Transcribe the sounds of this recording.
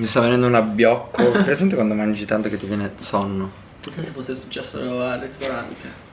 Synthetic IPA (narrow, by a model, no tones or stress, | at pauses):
mist̪avːenɛnd̪ounabːjɔkʰːopeɾesɛmp̬jokwand̪omand͡ʒit̪ant̪oket̪ːivjɛːnesɔnːo | kisasefːosːesu̥t͡ʃːɛsːo̰ɾoarːest̪oɾant̪e